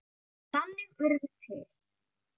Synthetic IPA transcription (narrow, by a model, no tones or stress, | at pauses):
θanːɪmœɾðʏt̪ʰɪːɾ̥